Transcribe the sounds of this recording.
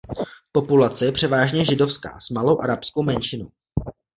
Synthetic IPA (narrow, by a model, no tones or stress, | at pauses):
po̞pulat͡sɛjɛpr̝̥ɛvaːʒɲɛʒɪdo̞fska̰ːsmalo̞wʔaɾapskowmɛnʃɪnow